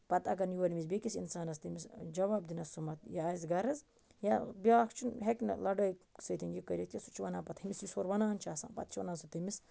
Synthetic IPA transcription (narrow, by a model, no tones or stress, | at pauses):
pɐt̪ɐɡɐnjuʋɐnimis̬bʲekisinsaːnɐst̪imisd͡ʒɐʋaːb̚d̪inɐsumɐt̪jaːizɡɐɾɐz | jabjaːkt͡ʃʰunɦekʲnɐ̰lɐɖɐjsɐt̪ʰinjikɐɾʲjit̪ʰʲjɐsut͡ʃʰiʋɐnaːpɐt̪ʰhimisjisoːɾʋɐnaːnt͡ʃʰaːsa̰ːnpɐ̰t̪̚t͡ʃʰiʋɐ̰naːnsut̪imis